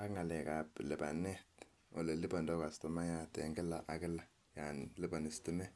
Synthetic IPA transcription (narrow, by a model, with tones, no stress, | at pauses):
a˦kŋa˨lɛ˨ka˨blɪ˨ba˨nɛ˦t | o˨le˨li˦ba˨ndɔ˦ka˨stɔ˨ma˦ja˦˨tɛ̰˨ŋɡɪ˦la˨ʔa˨kɪ˦la˦ | ja˨nlɪ˦ba˨ni˨sti˦mɛ˦